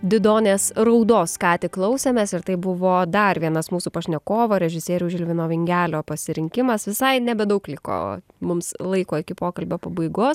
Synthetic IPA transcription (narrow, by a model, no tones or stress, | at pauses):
d̪ʲɪd̪oːnʲeːsɾɐʊd̪oːskɑːt̪ʲɪklˠɐʊsʲeːmʲeːsɪrt̪ɐɪbʊʋoːd̪ɐɾʋʲiɛnɐsmuːsuːpɐʃʲnʲɛkoːʋoːɾʲɛʒʲɪsʲeːɾʲuːʒʲɪlʲʋʲɪnoːʋʲɪŋʲɡʲæːlʲoːpɐsʲɪɾʲɪŋʲkʲɪmɐsʋʲɪsɐɪnʲɛbʲɛd̪ɐʊklʲɪko̰ː | mʊmslˠɐɪkoːɪkʲɪpoːkɐlʲbʲopɐbɐɪɡoːs